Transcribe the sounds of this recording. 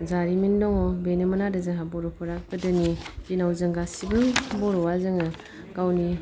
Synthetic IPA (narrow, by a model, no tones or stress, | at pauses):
zaɾimindɔŋɔbenemɐnadazɯŋɦabɔɾɔpʰɔɾak̚bɯdɯnidinawzɯŋɡasibɯŋbɔɾɔwazɯŋɯ | ɡ̥awni